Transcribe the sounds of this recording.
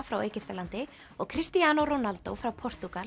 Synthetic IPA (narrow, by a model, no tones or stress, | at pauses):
fɾaweːjcɪft̪alant̪ɪ | ɔɣkʰɾɪst̪iaːnowronalt̪o̰wfɾawpʰɔr̥t̪ukal